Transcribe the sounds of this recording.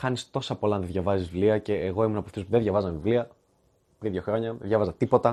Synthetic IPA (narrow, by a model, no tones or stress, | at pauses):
xɐnist̪o̞sɐpolɐnðeðʝɐvɐzizvivliɐce̞ːɣo̞imunɐpoft̪espuðeðʝɐvɐzɐvivliɐ | pɾiðjoxɾo̞ɲɐðʝɐvɐzɐt̪ipo̞t̪ɐ